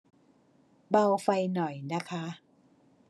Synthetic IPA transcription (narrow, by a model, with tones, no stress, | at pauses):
ba˧wfa˧jnɔ˨˩jna˦˥kʰa˦˥